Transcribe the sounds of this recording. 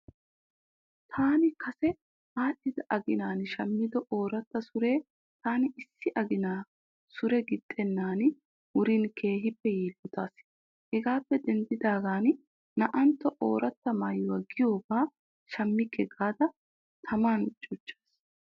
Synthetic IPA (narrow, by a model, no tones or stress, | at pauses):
t̪ʰaːnɪkʰɐsɛ | haːɗːɪd̪ɐʔɐɡɪnaːnʃɐmːɪd̪ɔʔoːɾɐt̪ːɐsʊɾe̞ː | t̪aːnɪɪsːɪʔɐɡɪnaː | sʊɾɛɡɪt̪ʼːɛnːaːn | wʊɾinkʰe̞ːɦɪpːɛjiːlːʊt̪aːs | hɛɡaːpːɛd̪ɛnd̪ɪd̪aːɡaːn | nɐʔɐnt̪ːɔʔoːɾɐt̪ːɐmaːjːʊwɐːɡɪjo̞ːbaː | ʃɐmːɪkʰːɛɡaːd̪ɐ | t̪ʰɐmaːnʊt͡ʃʼːʊt͡ʃːe̥ːs